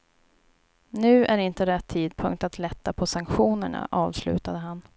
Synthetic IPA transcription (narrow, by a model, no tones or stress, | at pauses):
nʉ̟ːʔæɾɪnt̪əɾɛt̪ʰːiːd̪̚pʰɵ̰ŋk̚t̪at̪lɛt̪ːapʰɔsaŋkɧuːnəɳa̰ʔɑːvslʉ̟̰ːt̪ad̪əɦan